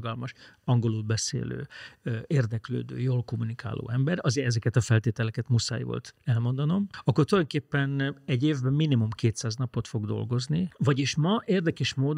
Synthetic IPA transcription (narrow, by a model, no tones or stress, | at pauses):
ɡɒlmɒʃɒŋɡo̞lulbɛsḛːlø̰ːeːrd̪ɛklø̰ːd̪ø̰ːjoːlko̞munika̰ːlo̰ːɛmbɛɾɒzeːɾɛzɛkɛt̪ɒfɛlt̪eːt̪ɛlɛkɛt̪musa̰ːjvo̰lt̪ɛlmo̞nd̪ɒno̞mɒkːort̪ulɒjoŋkeːpːɛnɛɟːeːvbɛmːinimumkeːt̪saːznɒpo̞t̪fo̞ɡd̪o̞̰lɡo̞znivɒɟeːʃmɒʔeːrd̪ɛkɛʃmoːd̪